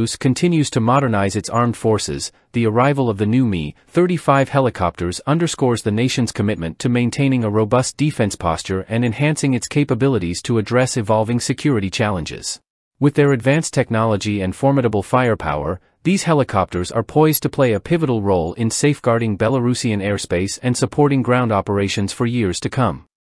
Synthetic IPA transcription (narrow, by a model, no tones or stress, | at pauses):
ʉskʰɨ̃ntʰɪ̃njʉz̥tʰɨmɑɾə˞naɪzɨtsɑɹmd̥fɔɹsɪ̰z̥ | ðiə˞aɪvl̩ˠʌvðɨnʉmḭθɜ˞ɾifaɪv̥hɛlˠəkʰɑ̰p̚tʰə˞zʌ̃ndə˞skɔɹzðɨneɪʃɨ̃n̩z̥kʰɨmɪt̚mɨ̃ntʰɨmẽɪ̃ntʰẽɪ̃nɪ̃ŋəɹoʊbʌsd̥ifɛ̃nspʰɑ̰st͡ʃə˞ʔɨ̃nɨ̃nhæ̃nsɪ̃ŋɨtskʰeɪpɨbɪlˠəɾiz̥tʰɨːdɹɛsɨvɑlˠvɪ̃ŋsɨkʰj̥ʊɹɨɾit͡ʃʰælˠə̃nd͡ʒɪ̰z̥ | wɨðə˞ɨdvæ̃nstʰɛk̚nɑlˠəd͡ʒiɨ̃nfɔɹmɨɾəbl̩ˠfaɪə˞pʰa̰ʊə̰˞ | ðiz̥hɛlˠəkʰɑp̚tə˞zə̰˞pʰɔɪztʰɨpʰl̥eɪɨpʰɪvəɾl̩ˠɹoʊlˠɪ̃nseɪfɡ̥ɑɹɾɪ̃ŋbɛlˠəɹʉsiɨ̃nɛɹspeɪsɨ̃nsəpʰɔɹɾɪ̃ŋɡɹãʊ̃ndɑpə˞eɪʃɨ̃nz̥fə˞jɪɹz̥tʰɨkʰʌ̃m